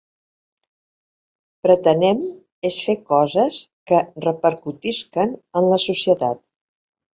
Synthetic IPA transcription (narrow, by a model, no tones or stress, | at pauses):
pɾət̪ənɛm | esfekɔzəskərəpəɾkut̪iskənənləsusiət̪at̪̚